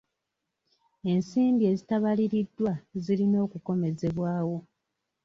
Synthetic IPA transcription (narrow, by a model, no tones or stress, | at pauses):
e̞nsiːmbie̞zitaβaliɾidːwazilino̞ːkuko̞me̞ze̞βwaːwo̞